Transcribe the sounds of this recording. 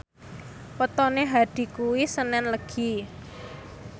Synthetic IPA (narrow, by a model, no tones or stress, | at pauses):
pət̪ɔneɦad̪̥i̤kuwisənɛnləɡ̥i